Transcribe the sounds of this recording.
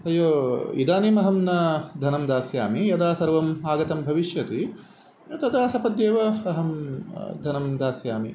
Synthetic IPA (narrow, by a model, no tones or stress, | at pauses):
ɦɐjoːḭd̪aːnimɐɦɐmnɐd̪ʱɐnɐmd̪aːsjaːmijɐd̪aːsɐɾʋɐmaːɡɐt̪ɐmbʱɐʋiʃjɐt̪i | jɐt̪ɐd̪aːsɐpɐd̪jeːʋɐɐɦɐmd̪ʱɐnɐmd̪aːsjaːmḭ